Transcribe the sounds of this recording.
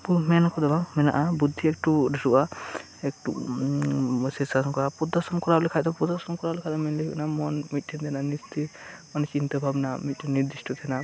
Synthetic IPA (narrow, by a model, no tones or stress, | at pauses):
pumɛnɔkʰɔd̪ɔbamɛna̰ʔabud̪ʱːiɛk̚ʈudɔɾuʔa | ɛk̚ʈṵ | sɛsankɔɾapud̪ɔsɔmkɔɾalikʰajt̪ɔpud̪ɔsɔmkɔɾablɛkʰajt̪ɔmɛnliikɔ̰namɔnmit̪̚ːʰind̪ʰɛnanist̪ʰimɔnt͡ʃint̪əbʱabnamit̪̚ʈʰinnːiɾd̪isʈʰɔt̪ʰɛna